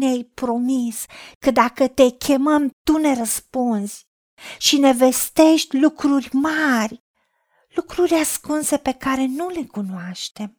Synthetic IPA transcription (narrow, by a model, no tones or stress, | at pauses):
neajpɾo̞miskəd̪akət̪e̞kʲʰe̞məmt̪une̞ɾəspunzʲ | ʃine̞ve̞st̪e̞ʃt̪ʲlukɾurʲmarʲ | lukɾurʲaskunse̞pe̞kaɾe̞nule̞kunoaʃt̪e̞m